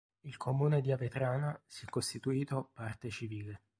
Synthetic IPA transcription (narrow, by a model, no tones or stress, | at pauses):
ilkʰomuːned̪iavet̪ɾaːnasiɛkːost̪it̪uiːt̪opart̪et͡ʃiviːle